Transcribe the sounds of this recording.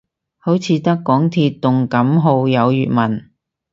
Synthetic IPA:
ho˨˥wt͡sʰiː˨˧t̪ɐ˥kːɔː˨˥ŋt̪ʰiː˧t̚t̪ːʊ˨ŋkɐ˨˥mɦo˧wjɐ˨˧wjyː˨t̚mɐ˨˩n

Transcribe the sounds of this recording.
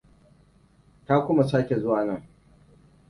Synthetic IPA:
kaː˦kʷʊ˦ma˨saː˦kʲe˨zʊ˦waː˨nɐ˦˨ŋ

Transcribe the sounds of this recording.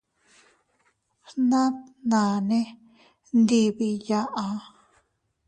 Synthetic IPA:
hnã˦t̪nã˨nẽ˦ | nd̪i˧βi˧ja˧ʔa˧˨

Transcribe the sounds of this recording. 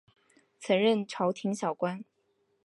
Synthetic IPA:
t͡sʰɤ˧˥ŋɻə˥˩nʈ͡ʂʰɑ˧˥ʊt̪ʰi˧˥ŋɕjɑ˨˩ʊkwa˥n

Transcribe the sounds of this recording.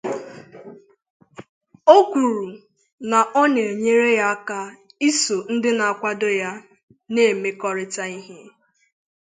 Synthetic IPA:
o˦kʷu˨ɾu˨ | na˨ʔɔ˦ne˨e˨ɲe˦ɾe˦ja˦a˦ka˦ | i˦so˨n̩˦dɪ˦na˨a˨kʷa˦dʊ˦ja˦ | ne˦˨me˦kɔ˦ɾɪ˦ta˦i˦ɦe˦

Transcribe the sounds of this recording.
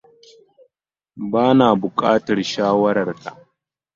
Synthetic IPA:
baː˦naː˨bʊ˨kʼaː˦tɐ˨rʃaː˦wɐ˦ɾɐ˨rtʰa̰˨ʔ

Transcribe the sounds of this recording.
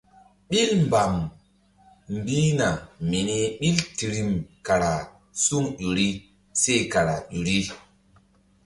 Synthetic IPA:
ɓi˦lmba˨m | m˦bi˦na˨mi˨ni˦ɓi˦lti˨ɾi˨mka˨ɾa˨ | su˦ŋʄu˨ɾi˦ | se˦˨ka˨ɾa̰˨ʄu˨ɾi˦

